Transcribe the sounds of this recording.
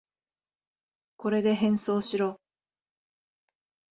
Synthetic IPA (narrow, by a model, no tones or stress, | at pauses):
ko̞ɾe̞d̪e̞ɦẽ̞ɰ̃so̞ːɕiɾo̞ː